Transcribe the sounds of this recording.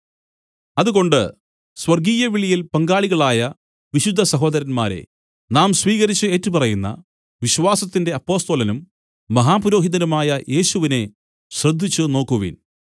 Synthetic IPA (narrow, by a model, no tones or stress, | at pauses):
ɐðuɣo̞ɳɖɨ | swɐrɡiːjɐʋiɭijilpɐŋɡaːɭiɣɐɭaːjɐ | ʋiɕud̪ʱːɐsɐɦo̞ːd̪ɐɾɐnmaːɾe̞̰ | naːmsʋiːɣɐɾit͡ɕːɨe̞ːtːupɐrɐjunːɐ̰ | ʋiɕwaːsɐt̪ːinde̞ɐpːo̞ːst̪olɐnumː | ɐɦaːpuɾo̞ːɦiðɐnumaːjɐʔe̞ːɕuʋine̞ | ɕrɐd̪ʱːit͡ɕːɨno̞ːkːuʋḭːn